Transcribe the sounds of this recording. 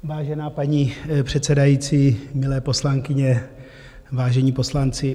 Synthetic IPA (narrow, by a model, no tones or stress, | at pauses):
vaːʒɛnaːpaɲipr̥ɛt̪sɛdajiːt͡siːmɪlɛːpo̞slaŋkɪɲɛ | vaːʒɛɲiːpo̞slant͡sɪ